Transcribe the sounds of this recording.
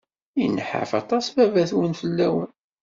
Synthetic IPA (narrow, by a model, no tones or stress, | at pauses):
inːəħə̰fɑ̰t̪ˤɑsvævæθwənfəlːæwən